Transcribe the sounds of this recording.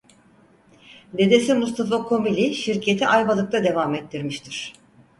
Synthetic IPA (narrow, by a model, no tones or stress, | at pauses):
d̪e̞d̪e̞simust̪ʰafakʰo̞milʲiʃiɾcʰe̞t̪ʰiʔajbalˠɯk̚t̪ʰad̪e̞vaːmet̪ːiɾmiʃt̪ʰiɾ̥